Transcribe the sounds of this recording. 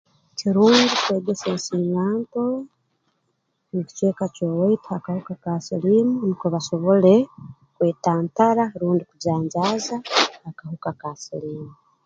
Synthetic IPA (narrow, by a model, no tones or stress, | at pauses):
ciɾuːɲɟikwe̞ːɡe̞seːɲsiɲaːnto̞ | nici̥t͡ʃe̞ːkacowaitiakahukakasilimunikoβaʃo̞βo̞le̞ | kwe̞ːtaːntaɾaɾuːndikuzaːɲzaːzaːkahukakasiliːmu